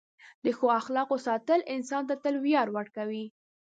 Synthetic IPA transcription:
d̪əxoaxlɑqosɑt̪əlɪnsɑnt̪at̪əlwjɑɾwəɽkawi

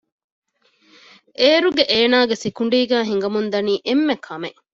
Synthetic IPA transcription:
ʔeːɾuɡeʔeːnaːɡesikuɳ̆ɖiːɡæːɦiŋ̆ɡɐmund̪ɐniːʔemːekʰɐmeʔ

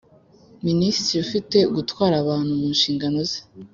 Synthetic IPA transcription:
ministɾiufite̞ɡutwaːɾaβaːn̥huβuːnʃiːŋɡanoze̥

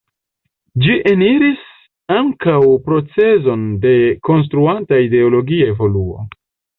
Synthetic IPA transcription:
d͡ʒiʔeniɾis | aŋkawpɾo̞t͡se̞zo̞nde̞ko̞ns̬tɾuantaide̞o̞lo̞ɡiae̞vo̞luo̞̰

